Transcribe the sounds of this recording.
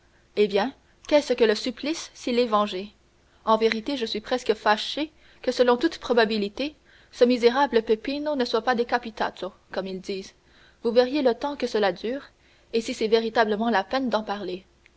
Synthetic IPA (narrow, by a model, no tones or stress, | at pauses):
ebjɛ̃ | kɛsəkələsyplisːilɛvɑ̃ʒe | ɑ̃veʁit̪eʒəsɥipχɛskəfaʃe | kəsəlɔ̃t̪ut̪pχɔbabilit̪e | səmizeʁabləpepinonəswapad̪ekapit̪a̰t̪ʰo | kɔmild̪iːz | vuvɛʁjelət̪ɑ̃kəsəlad̪yːʁ | esisɛveʁit̪abləmɑ̃lapɛnd̪ɑ̃paʁle